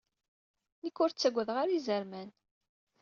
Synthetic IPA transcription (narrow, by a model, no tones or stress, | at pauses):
nikːʊɾt͡sːæɡʷːəðʁaɾizəɾmæn